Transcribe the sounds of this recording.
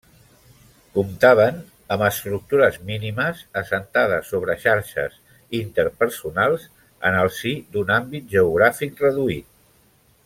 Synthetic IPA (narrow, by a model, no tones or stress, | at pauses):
kumt̪aβ̞ən | əməst̪ɾuk̚t̪uɾəzminiməzəsənt̪að̞əsːoβ̞ɾəʃaɾʃə̰z | int̪əɾpəɾsunalˠz | ə̰nəlˠsid̪unambit̪̚ʒəuɣ̞ɾafik̚rəðuit̪̚